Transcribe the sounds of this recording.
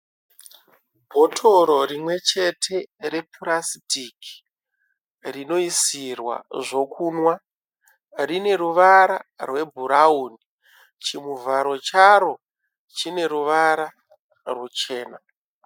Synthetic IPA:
bʱo̞tʰo̞ɾo̞rimwe̞t͡ʃe̞tʰe̞ɾe̞purasitiki̥ | rino̞isirwa̰ʐo̞kʰunwa | rine̞ɾuʋaɾarwe̞bʱuɾauːni | t͡ʃimuvaɾo̞t͡ʃaro̞ | t͡ʃine̞ɾuʋaɾa | rwut͡ʃe̞ːna

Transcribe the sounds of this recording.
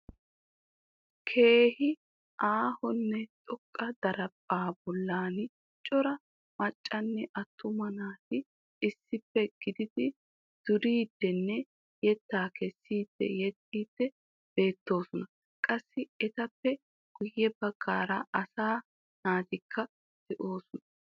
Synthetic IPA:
kʰe̞ːhɪ | ʔaːhɔnːɛt̪ʼɔkʼːɐd̪ɐɾɐpʼːaːbɔlːaːnɪ | t͡ʃʼɔɾɐ | mɐt͡ʃʼːɐnːɛʔɐt̪ʰːʊmɐnaːt̪ɪ | ɪsːɪpːɛɡ̥ɪd̪ɪd̪ɪ | d̪̥ʊɾiːd̪ːɛnːɛ | jɛt̪ːaːkɛsːiːd̪̥ːɛ̰jɛt̪ʼːiːd̪̥ːɛ | b̥e̞ːt̪ːo̞ːsɔnɐ | kʼɐsːɪɛt̪ɐpːɛ | ɡ̥ʊjːɛbɐɡːaːɾɐɐsaː | naːt̪ɪkʰːɐ | sɪʔo̞ːsʊnɐ

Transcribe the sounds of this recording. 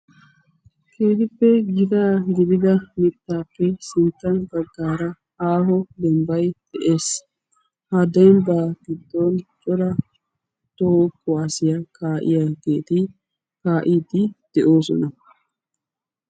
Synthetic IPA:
keːt̪ɪpːɛɡɪd̪aːɡɪd̪ɪd̪ɐmɪt̪ːaːpːɛsɪnt̪ːɐnbɐɡːaːɾɐ | haːɦɔd̪ɛmbɐjd̪̥ɛʔe̞ːs | hɐd̪ɛmbaːɡ̥ɪd̪ːont͡ʃʼɔɾɐ | t̪oːkːɔaːsɪjɐkaːʔɪ̰jaːɡe̞ːt̪ɪ | kaːʔiːd̪ɪd̪̥ɛʔoːsɔ̰nɐ

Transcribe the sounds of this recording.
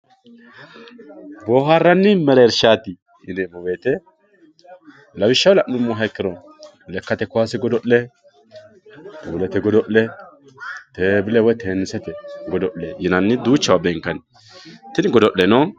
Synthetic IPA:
boːɦarːɐnːɪmɛɾɛːɾʃaːt̪ɪ | ɪdemɔbeːt̪ɛ | lɐbɪʃːɐwlɐʔnʊmːɔɦɐkːɪɾɔ | lɛkːɐt̪ɛkːʊwasɪɡɔd̪ɔʔlɛ | t̪ɛbʊlɛt̪ɛɡɔd̪ɔʔlɛ | t̪eːbɪlɛwɔjt̪eːnːɪsɛt̪ɛɡɔd̪ɔʔlɛjɪnɐnːɪd̪uːt͡ʃːɐwabɛŋkːɐnɪ | t̪ɪnɪɡɔd̪ɔʔlɛno

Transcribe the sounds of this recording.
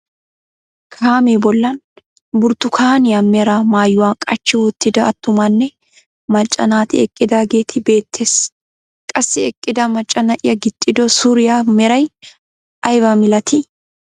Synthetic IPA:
kʰaːmeːbɔlːɐn | bʊɾt̪ːʊkʰaːnɪjɐmɛɾɐmaːjʊwaːkʼɐt͡ʃːɪwɔt̪ːɪd̪ɐːt̪ːʊmɐnːɛ | mɐt͡ʃʼːɐ̰naːt̪ɪ̰ɛkʼːɪd̪aːɡeːt̪ʰɪbe̞ːt̪ʰːe̞ːs | kʼɐsːɪɛkʼːɪd̪ɐmɐt͡ʃʼːɐnɐʔɪjɐɡɪt̪ʼːɪd̪ɔsuːɾɪjamɛɾɐj | ɐjbɐmɪlɐt̪ʰɪ

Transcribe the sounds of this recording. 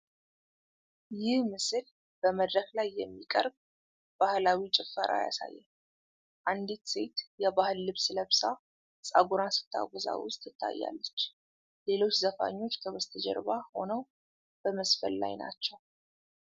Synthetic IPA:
jɪhmɨsɨl | b̥əməd̪ɾəklajːɛmːikʼə̰ɾb̚ | b̥ahlawit͡ʃʼɪfːəɾʔa̰ja̰sa̰jːɛ | ʔand̪it̪se̞t̪jɛβahɨlːɨβsləβsa | sʼaɡuɾasɨ̥t̪ʰːa̰ɡʷɔza̰wʊst̪ʼɨt̪ʰːa̰jːa̰lːət͡ʃː | le̞lo̞t͡ʃːzəfa̰ɲːo̞t͡ʃːt̪ʰəwəst̪ʰəd͡ʒɛ̰ɾβaho̞nəw | b̥əməsfə̰lːa̰jna̰t͡ʃːɛw

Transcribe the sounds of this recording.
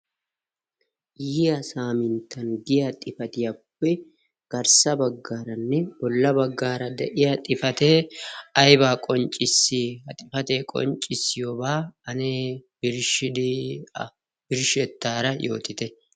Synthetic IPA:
jɪjasaːmɪnt̪ːɐnɡɪjat̪ʼɪfɐt̪ɪjapːɛ | ɡ̥ɐɾsɐbɐɡːaːɾɐnːɛbɔlːɐbɐɡːaːɾɐd̪ɛʔɪjat̪ʼɪfɐt̪eːɐjbaːkʼɔnt͡ʃʼɪsːɪɐt̪ʼɪfɐt̪eːkʼɔ̰nt͡ʃʼːɪsːɪjoːbaːɐneːbɪɾʃɪd̪ɪ | b̥ɪɾʃɛt̪ːaːɾɐjo̞̰ːt̪ɪt̪ɛ

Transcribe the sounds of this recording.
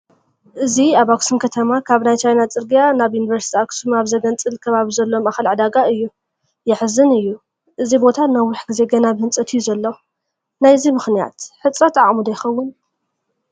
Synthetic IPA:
ʔɨziaβaksumkʰɐt̪ʰɐmakʰaβnajt͡ʃʰajnat͡sʼɨɾɡijanaβjunivɐɾsi̥t̪ʰiaksumaβzɐɡɐnt͡sʼɨlkʰɐβaβizɐlːo̞maxɨlʕɨd̪aɡaɨjːu | jɛħɨzɨnɨjːu | ʔɨzibo̞t̪ʰanawːʊħɡize̞ɡɐnabhɨnt͡sʼɐt̪ʰijːuzɐlːo | najzimɨxnija̰t̪ħɨt͡sʼɾɐt̪ʰaʔʼmud̪ajxɐwːʊn

